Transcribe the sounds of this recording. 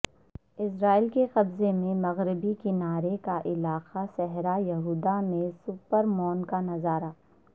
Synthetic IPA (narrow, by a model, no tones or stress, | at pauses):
ɪsɾaːilkeqɐbzemẽmɐɣɾɪbikɪnaːɾekaʔɪlaːqasɛɦɾajɐɦuːd̪amẽsʊpəɾmɔːnkanɐzaːɾaː